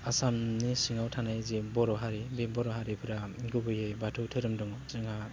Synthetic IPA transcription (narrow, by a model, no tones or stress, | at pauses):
asamnisiŋawtʰanajzebɔɾɔɦaɾibebɔɾɔɦaɾipʰɯɾaɡubɯjejbatʰuwtʰɯɾɯmdɔŋɔzɯŋa